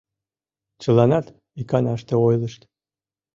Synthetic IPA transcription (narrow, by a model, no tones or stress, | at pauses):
t͡ɕɤ̆lɑnɑt̪ | ikɑnɑʃt̪ĕojlˠɤ̆ʃt̪